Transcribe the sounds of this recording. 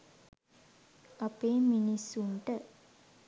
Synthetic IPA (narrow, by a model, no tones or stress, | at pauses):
apeːminisːuɳʈə